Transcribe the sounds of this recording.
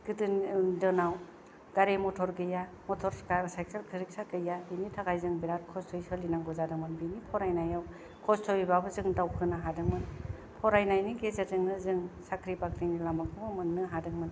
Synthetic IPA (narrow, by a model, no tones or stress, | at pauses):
ɡ̥ɯdɯndɯnaw | ɡ̥aɾemɔtʰɔɾɡɯja | mɔtʰɔɾsajkʰelkʰɯɾik̚sakɯjabinitʰaɡajzɯŋbiɾatkʰɔstʰɔjsɯlinaŋɡɔzadɯŋmɯnbinipʰɔɾajnajaw | kʰɔstʰɔjibabɯzɯŋdawkʰɯnaɦadɯŋmɯn | pʰɔɾajnajniɡezazɯŋnɯzɯŋsakʰɾipakʰɾinilamak̚ɯbamɯnːɯɦadɯŋmɯn